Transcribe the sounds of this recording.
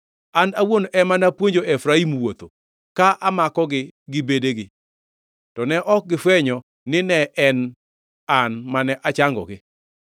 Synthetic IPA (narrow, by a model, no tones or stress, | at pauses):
anawonʔɛmanapwoɲd͡ʒoɛfɾaimwot̪o̰ | kaʔamakɔɡɪɡɪbedeɡɪ | tɔnɛʔɔk̚ɡɪfɛɲɔ | nɪnɛʔɛn | anmanɛʔat͡ʃaŋɡɔ̰ɡɪ